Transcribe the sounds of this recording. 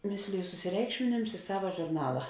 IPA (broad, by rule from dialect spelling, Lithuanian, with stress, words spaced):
ˈmʲɪsʲlʲɪjʊ sʊsʲɪˈrʲɛɪkʃʲmʲɪnʲɪms ɪ ˈsɑːʋɐ ʒʊrˈnɑːlˠɐ